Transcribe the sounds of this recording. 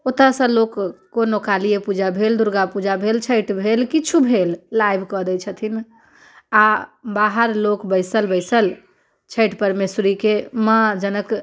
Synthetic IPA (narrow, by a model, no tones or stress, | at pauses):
ot̪asə̃lokː | onokalijepud͡ʒabʱeld̪uɾɡapud͡ʒabʱelt͡ʃʰəjʈbʱelkit͡ʃʰubʱelːajbʱkəd̪ɛt͡ʃʰət̪ʰin | abaɦəɾlokbəɪsəlbəɪsəl | t͡ʃʰəjʈpəɾmesɾikemãd͡ʒənək